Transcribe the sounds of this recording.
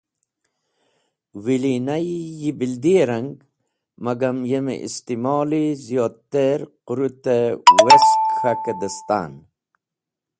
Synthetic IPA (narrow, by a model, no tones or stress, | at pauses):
wilinajijibild̪ieɾɐŋɡ | mɐɡɐmjemḛʔḭst̪imoːlizijoːt̪ːeɾquɾut̪eweskʰɐked̪əst̪a̰ːn